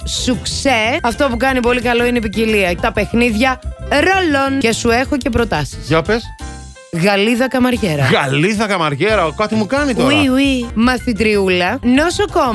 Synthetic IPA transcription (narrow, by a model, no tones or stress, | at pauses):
sukseɐft̪o̞pukɐnipo̞likɐlo̞ineipiciliɐt̪ɐpe̞xniðʝɐɾo̞lo̞nce̞sue̞xoce̞pɾo̞t̪ɐsi̥sjɐpes | ɣɐliðɐkɐmɐɾʝe̞ɾɐɣɐliðɐkɐmɐɾʝeɾɐkɐt̪imukɐnitoiuimɐθit̪ɾiulɐnosokom